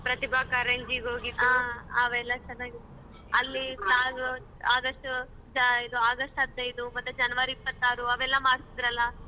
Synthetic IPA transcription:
pɾɐt̪ibʱaːkɐɾeɲd͡ʒiɡoːɡit̪ːuaɐʋɛlːɐt͡ʃɛnːaːɡit̪ːu | ɐlːipaːɡu | aːɡɐʂʈ | d͡ʒɐjid̪uaːɡɐsʈɐd̪ːɐjid̪umɐt̪ːud͡ʒɐnːɐʋɐɾipːɐt̪ːaːɾuɐʋɛlːɐmaːɽsid̪iɾɐlːɐ

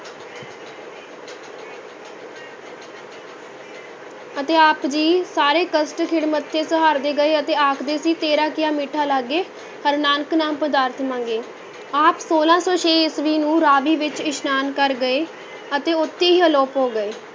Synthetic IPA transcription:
ət̪eːaːpd͡ʒiːsaːɾeːkəsʈkʰɪɽmət̪ʰːeːsəɦaːɾd̪eːɡəeːət̪eːaːkʰd̪eːsiːt̪eːɾãːkɪjaːmiːʈʰaːlaːɡːeː | həɾnaːnəknaːmpəd̪aːɾt̪ʰmãːŋɡeː | aːpsoːlãːsɔːʃʰeːɪsʋiːnũːɾaːʋiːʋɪt͡ʃɪʃnaːnkəɾɡəeː | ət̪eːʊt̪ːeːɦiːɦəloːpɦoːɡəeː

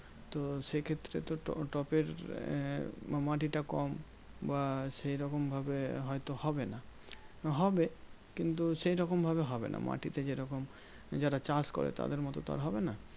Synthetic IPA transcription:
t̪oʃekʰet̪ːɾḛt̪oʈɔpeɾ | maʈiʈakɔm | baʃejɾɔkombʱabeɦɔjt̪ohɔbena | ɦɔbe | kint̪uʃejɾɔkombʱabeɦɔbḛna̰ma̰ʈit̪ed͡ʑeɾɔkom | d͡ʑaɾat͡ɕaɾskɔ̰ɾḛt̪a̰d̪eɾmɔt̪ot̪a̰ɾɦɔbena

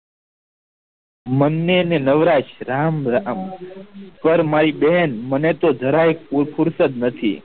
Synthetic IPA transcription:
mənːenenəʋɾaʃɾamɾam | pəɾmaɾiɓɛɦɛnmənet̪od͡ʒ̪ʱəɾaek̚puɾpʰuɾsət̪nət̪ʰḭ

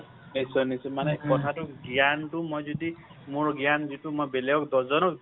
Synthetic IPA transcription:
esɔnisumanekɔtʰatuɡjantumojzɔd̪imoɹɡjanzitumojbelejɔk̚d̪ɔzɔnɔk

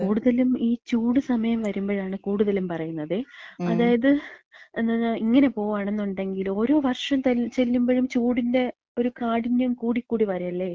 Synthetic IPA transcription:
kuːɽuðɐlumiːt͡ɕuːɽɨsɐmɐjɐmʋɐɾumbo̞ːɻaːɳɨkuːɽuðɐlumpɐrɐjunːɐðɨɐðaːjɐðɨnːiŋːɐne̞po̞ːʋaːɳe̞nːuɳɖe̞ŋɡilo̞ːɾo̞ːʋɐrʂɐmt̪ɐt͡ɕe̞lːumboːɻumt͡ɕuːɽinde̞ | o̞ɾukaːɽiɲːɐmkuːɽikːuːɽipɐɾɐjɐlːeː

